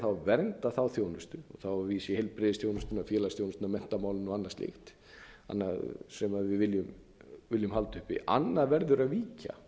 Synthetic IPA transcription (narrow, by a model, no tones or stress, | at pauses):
θawvɛɾnt̪aθawθjownʏst̪ʏɔ̰θawviːsjɪhejlpɾɪðɪst̪joːwnʏst̪ʏnafjɛːlast̪jownʏst̪namɛn̥t̪amaːwlɪnuanːast̪ɪ̰xt̪ | a̰nːasɛmaðvɪðvɪljʏm | vɪljʏmhalt̪ʏ̥hpɪ̰ʔa̰nːaðvɛɾðʏɾaðviːca̰